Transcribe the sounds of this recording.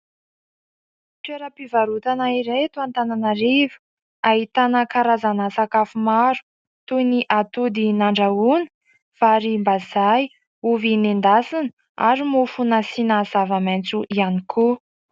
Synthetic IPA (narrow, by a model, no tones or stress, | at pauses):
t̪weɾəpivaɾut̪anaiɾet̪uant̪ananaɾivə̥ | aɦit̪anəkaɾazanasakafumaɾu̥ | t̪ujniʔat̪ud̪inaɳɖ͡ʐaunə̥ | faɾimbazaj | uvinend̪asinə | a̰ɾimufunasinazavament͡suʔianikʰu